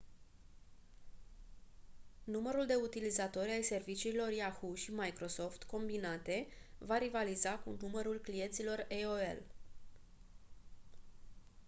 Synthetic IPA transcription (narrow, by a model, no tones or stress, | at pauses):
numəɾuld̪e̞ut̪ilizat̪o̞ɾʲajse̞rvit͡ʃiːlo̞rjahuʃimajkɾo̞so̞ft̪ko̞mbinat̪e̞vaɾivalizakṵnuməɾulklije̞nt̪silo̞reoḛl